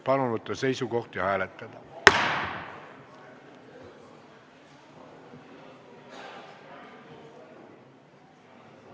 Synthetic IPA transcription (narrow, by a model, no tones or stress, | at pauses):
pɑnonut̪ːɑseisukoht̪jɑhæːlet̪ːet̪æ